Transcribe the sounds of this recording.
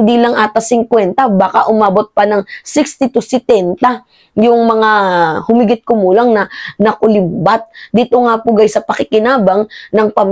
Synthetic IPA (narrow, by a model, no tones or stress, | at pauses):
nd̪iːlɐŋʔaːt̪ɐsɪŋkwɛnt̪ɐbaːkaʔʊmaːbot̪̚pɐnɐŋsɪkst̪ɪt̪usɛt̪ɛnt̪ɐ | jʊŋmɐŋahʊmiɡɪt̪̚kʊmuːlɐŋnɐnɐkʊlɪmbat̪̚d̪it̪oŋapʊɡajsɐpɐkɪkɪnaːbɐŋnɐŋpɐm